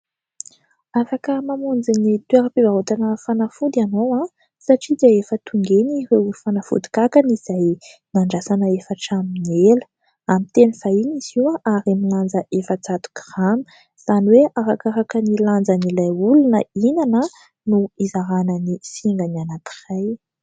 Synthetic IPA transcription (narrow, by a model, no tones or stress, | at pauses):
afakəmamund͡zinit̪weɾəpivaɦot̪anəfanafud̪ianowã | saʈ͡ʂid̪iaefət̪uŋɡenirewfanafṵd̪i̥kakəniz̥ajnaɳɖ͡ʐasanəefəʈ͡ʂaminelə̥ | amit̪enifainiz̥iwaʔaɾamiland͡zəʔefət͡sat̪u̥krami̥ | z̥aniweʔaɾakaɾakəniland͡zənilajulunəinanə | nuizaɾanənisiŋɡənianat̪i̥raj